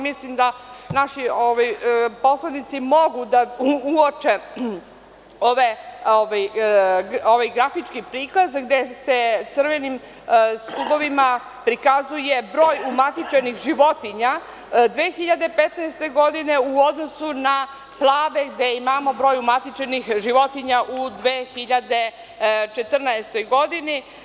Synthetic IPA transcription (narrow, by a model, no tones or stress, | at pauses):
mislimd̪anaʃioʋajpo̞slˠanit̪simo̞ɡud̪auot͡ʃe | oʋeoʋaj | oʋajɡɾafit͡ʃkipɾiːkazɡd̪eset̪sər̩ʋenim | st̪ubo̞ʋima | pɾikazuje̞bɾo̞ːjumat̪it͡ʃenixʒiʋo̞t̪iɲa | d̪ʋeːxiʎad̪e̞pet̪naest̪e̞ɡo̞d̪ine̞uod̪no̞suna | plˠaːʋe̞ɡd̪eimaːmo̞bɾo̞ːjumat̪it͡ʃenixʒiʋo̞t̪iɲaʔud̪ʋeːxiʎad̪e̞ | t͡ʃet̪r̩naest̪o̞jɡo̞d̪ini